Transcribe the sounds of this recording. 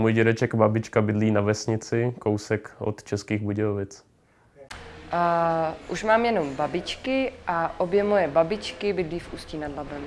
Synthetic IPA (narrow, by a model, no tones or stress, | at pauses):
mujɟɛɾɛt͡ʃɛkbabɪt͡ʃkabɪdliːnavɛsɲɪt͡sɪkowsɛkʔo̰t̪t͡ʃɛskiːɣbuɟɛovɪt͡s | ʔuʃmaːmjɛno̞mbabɪt͡ʃkɪʔaʔobjɛmojɛbabɪt͡ʃkɪbɪdliːfʔusciːnadlabɛm